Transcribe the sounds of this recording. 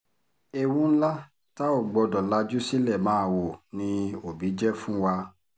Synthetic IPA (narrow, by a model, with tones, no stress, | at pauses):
e˨wũ˦n̩˦la˦ | ta˦o˦˨ɡ͡bɔ˧dɔ˨la˧d͡ʒu˦si˦lɛ˦˨mãː˦˨wo˨nĩ˧o˨bi˨˦d͡ʒɛ˦fũ˦wa˧